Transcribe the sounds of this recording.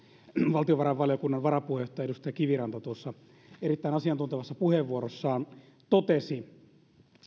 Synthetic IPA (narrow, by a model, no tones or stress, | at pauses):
ʋɑlt̪ioʋɑɾɑʋʋɑljokunːɑnʋɑɾɑpuhejoht̪ːˑɑjɑeɾust̪ɑjɑkiʋirɑnt̪ɑt̪uosːɑ | eɾit̪ːæinɑsiɑnt̪unt̪eʋɑsːɑpuheʋːuoɾosːɑːn | t̪ot̪esi